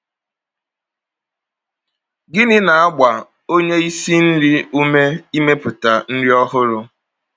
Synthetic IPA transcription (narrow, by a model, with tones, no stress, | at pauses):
ɡɪ˦nɪ˦na˨a˦ɡ͡bʷa˨ | o˦ɲe˦i˦si˦n̩˦li˦u˦me˦i˦me˦pʊ˨ta˨n̩˦ɾi˦ɔ˦ɦʊ˦ɾʊ˦